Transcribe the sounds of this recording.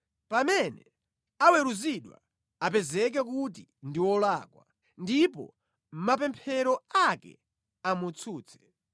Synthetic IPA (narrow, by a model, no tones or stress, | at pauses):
pamɛnɛ | awɛɾuziɗwa̰ | apɛzɛk̬ɛk̬ut̬indiwɔlaːkwa̰ | ndipɔ̰ | mapɛmpʰɛɾɔakɛ̰ | amut͡sʰuːt͡sʰɛ̥